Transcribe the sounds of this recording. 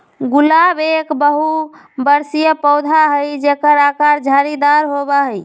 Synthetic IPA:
ɡulabekbəɦu | bəɾsijəpəʊd̪ʱaɦəjd͡ʒekəɾakaɾd͡ʒʱaɾid̪aɾɦobaɦəj

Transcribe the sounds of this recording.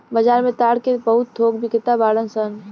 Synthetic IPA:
bəd͡ʒaːɾmẽt̪aːɽkebəɦʊt̪̚ːʰoːɡbʱikɪt̪abaːlənsən

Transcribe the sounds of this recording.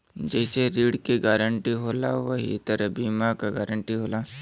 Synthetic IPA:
d͡ʒɛːseɾiːɽkiɡaːɾəɳʈiɦoːlaʋɐɦḭt̪ɐɾbiːmakaɡɛːɾə̃ɳʈiɦoːlaː

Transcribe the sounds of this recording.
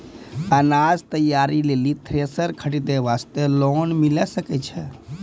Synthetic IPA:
ənad͡ʒt̪əjaɾilelit̪ʰɾesəɾkʰəɽid̪eʋast̪elɔnmilɛsəkɛt͡ʃʰɛ

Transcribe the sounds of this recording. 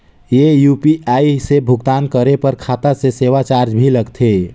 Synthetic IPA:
jejupiʔaisebʱʊɡt̪aːnkəɾepəɾkʰat̪aseseʋat͡ʃaɾd͡ʒbʱiləɡt̪ʰe

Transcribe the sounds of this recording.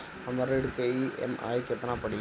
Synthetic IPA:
ɐmɐɾeɽkeiɛ̰ma̰ːjkɛt̪ːɐnaːpɐɽɪ

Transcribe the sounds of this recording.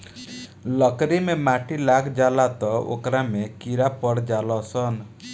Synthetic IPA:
lɔkɾimemaʈilakʰd͡ʒalat̪ɔo̰kɾamekiɾapɔɽd͡ʒalɔsɔn

